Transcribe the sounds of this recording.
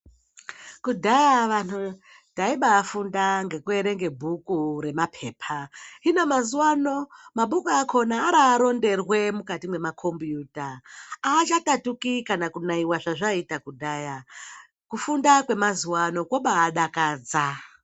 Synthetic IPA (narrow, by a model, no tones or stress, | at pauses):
kudʱajaʋanu | taiɓaːfundaŋɡe̞kue̞ɾe̞ŋɡe̞bʱukuɾe̞mapʰe̞ːpʰainamazuwano̞maɓukuakʰo̞naːɾaːɾo̞nde̞rwe̞mukatimwe̞makʰo̞mbjuːtaaːt͡ʃatatukikanakunaiwaʐaʐaitakudʱaːja | kufundakwe̞mazuwano̞kwoɓaːɗakaːd͡za